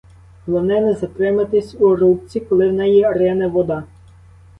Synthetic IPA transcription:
lˠɔnɛnɛzɐt̪ɾɪmɐt̪ɪsʲuɾup̚t͡sʲikɔlˠɪwnɛjiɐɾɛnɐʋɔd̪ɑ

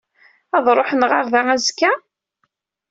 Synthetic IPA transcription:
æðˤɾˤoħənʁaɾðææzkːæ

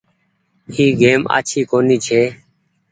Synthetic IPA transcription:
hiːɡeːma̰ːt͡ʃʰiːkoːniːt͡ʃʰeː

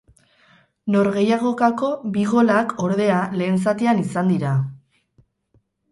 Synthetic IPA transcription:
no̞ɾɣe̞jaɣ̞o̞kako̞βiɣ̞o̞lakʰo̞ɾðe̞ale̞ːnsat̪eanisand̪iɾa

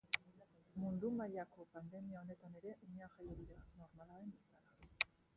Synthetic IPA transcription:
mund̪umaʎako̞pand̪e̞miao̞ne̞t̪ane̞ɾe̞ʔiɲaʝajoðiɾano̞ɾmalaɾe̞mbesaɾa

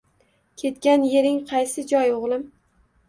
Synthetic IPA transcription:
kʲʰe̞t̪kʲanje̞ɾɪŋqʰɑjsɪd͡ʒɒjoʁlˠɪm

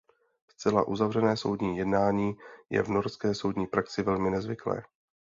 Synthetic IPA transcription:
st͡sɛla̰ʔuzavr̝ɛnɛːso̞wdɲiːjɛdnaːɲiːjɛ̰vno̞ɾskɛːso̞wdɲiːpɾaksɪvɛlmɪnɛzvɪklɛ̰ː

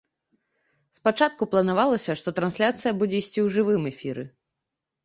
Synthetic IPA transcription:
spat͡ʂat̪̚kuplˠɐnavalˠɐsʲɐʂt̪ɔt̪ɾansʲlʲat̪sɨjɐbud͡zʲɛisʲt͡sʲiwʐɨvɨmɛfʲiɾɨ

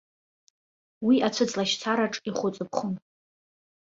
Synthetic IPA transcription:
wiʔat͡sʷʰɨt͡sʼlaʃt͡sʰaɾaʈ͡ʂʼiχʷʊt͡sʼɨp̚ʰχʊn

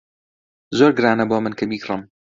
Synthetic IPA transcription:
zoːɾɡɨɾaːnɐboːmɨnkʰɐmiːkrɨm

